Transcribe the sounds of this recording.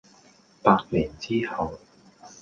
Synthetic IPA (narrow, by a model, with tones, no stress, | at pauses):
paː˧t̚miː˨˩nt͡siː˥hɐ˨w